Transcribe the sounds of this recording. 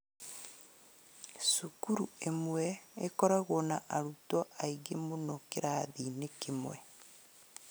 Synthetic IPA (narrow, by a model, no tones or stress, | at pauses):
sukuɾuemwɛekɔɾaɣonaʔaɾutɔʔaiɣemonɔkeɾaðinekemwɛ